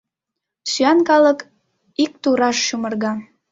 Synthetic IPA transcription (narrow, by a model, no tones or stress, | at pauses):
syɑnkɑlək | ik̚t̪uɾɑʃːumərɣɑ